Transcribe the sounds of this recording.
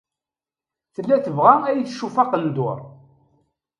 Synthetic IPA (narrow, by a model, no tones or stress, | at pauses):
θəlːæθəvʁææjθʃːufɑqənd̪ʊɾˤ